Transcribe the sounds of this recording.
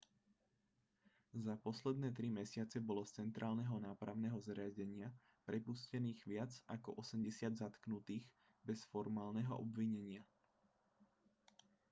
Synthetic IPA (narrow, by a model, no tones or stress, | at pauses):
zapɔslɛd̪nɛːt̪̬ɾimɛsɪat͡sɛbɔlɔt͡sɛnt̪ɾʔaːlnɛɦɔnaːpɾaʊnɛɦɔzɾɪaɟɛɲɪa | pɾɛpuscɛniːɣʋɪad͡zakɔʔɔsɛmɟɛsɪad̪zat̪knut̪iːɣ | bɛsfɔɾmaːlnɛɦɔ̰ʔɔ̰bʋiɲɛɲɪa